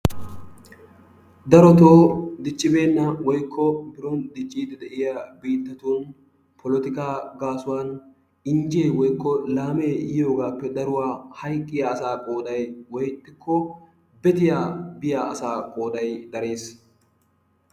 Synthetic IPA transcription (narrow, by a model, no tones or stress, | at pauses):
d̪ɐɾɔt̪oːd̪ɪt͡ʃʼːɪbe̞ːnːɐwɔjkʰːɔbɪɾɔnd̪ɪt͡ʃʼːiːd̪ɛd̪ɛʔɪjɐbiːt̪ːɐt̪un | pʰɔlɔt̪ɪkaːɡaːsʊwaːn | ɪnd͡ʒɪeːwɔjkːɔlaːmeːɪjo̞ːɡaːpːɛd̪ɐɾʊwaːhɐjkʼːɪjaːsaːkʼo̞ːd̪ɐjwɔjt̪ːɪkʰːɔ | bɛt̪ɪjaːbɪjaɐ̰saːkʼo̞ːd̪ɐjd̪ɐɾe̞ːs